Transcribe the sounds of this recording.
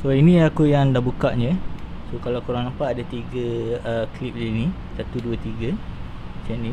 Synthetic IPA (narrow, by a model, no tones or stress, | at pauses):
soinĩakujaŋdahbukaʔɲə̃sokalakuɾaŋnampaʔadat̪iɡəəklip̚liini | sat̪uduət̪iɡə | sɛʔni